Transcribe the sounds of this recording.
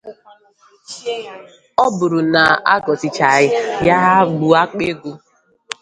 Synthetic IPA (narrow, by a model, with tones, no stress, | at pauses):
ɔ˦bʊ˨ɾʊ˨na˨a̰˦ɡɔ˨tɪ˨t͡ʃa˨ɣɪ˦ja˦ɦa˦ɡ͡bu˨a˦k͡pe˦ɡu˦